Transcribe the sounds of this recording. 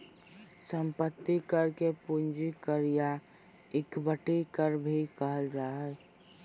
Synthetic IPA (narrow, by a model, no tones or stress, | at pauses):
səmpət̪ːikəɾkepund͡ʒikəɾija | ɪkbəʈikəɾbʱikəɦəld͡ʒaːɦɛ